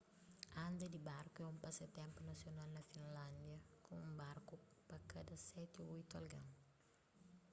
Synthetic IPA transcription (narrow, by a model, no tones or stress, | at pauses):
ɐ̃nd̪ɐd̪ibaɾkuɛũmpasɐt̪ɛ̃mpunɐsjonalnɐfĩnlãnd̪jɐkõŋũbaɾkupɐkad̪ɐsɛt̪ioujt̪ɐ̰lɡɐ̃ŋ